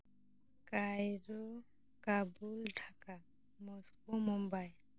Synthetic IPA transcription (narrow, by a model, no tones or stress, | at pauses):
kajɾɔ | kabulʈʰaka | mɔskɔmɔmbaj